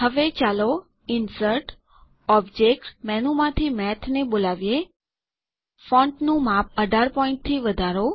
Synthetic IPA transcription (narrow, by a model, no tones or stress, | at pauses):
ɦəʋet͡ʃalo | ɪnsəɾʈ | ɔbd͡ʒekʈmɛnumãt̪ʰimɛt̪ʰnebolaʋije | fɔ̃ɳʈnũmap̚əɖʱaɾpɔɪ̃ɳʈ̚t̪ʰiʋəd̪ʱaɾo